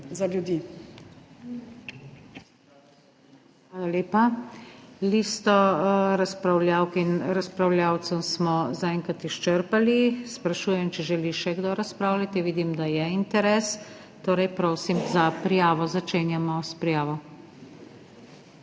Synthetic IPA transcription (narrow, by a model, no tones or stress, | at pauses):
zaljud̪iː | xʋʋaːlaleːpa | liːst̪ɔɾaspɾawlʲjaːwkinɾaspɾawlʲjaːw̪sɔsmɔzaɛŋkat̪iʃt͡ʃəɾpalispɾaʃuːjɛmt͡ʃɛʒɛliʃɛɡd̪oɾaspɾaːwlʲat̪iʋiːd̪imd̪ajɛint̪ɛɾɛːs | t̪oːɾɛjpɾoːsimzapɾijaːʋɔzat͡ʃeːnjamɔspɾijaːʋɔ